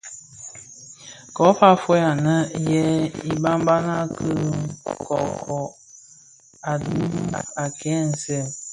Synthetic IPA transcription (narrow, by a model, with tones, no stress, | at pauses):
kɔ˨˦fa˦fɔ˦ja˨nə˦jɛ˦i˦ba˦m˦ba˦na˦kə˦kɔ̰˨kʰɔ˨ | a˨du˦m˦a˨kɛ˨˦˨n̩˨sɛ˦˨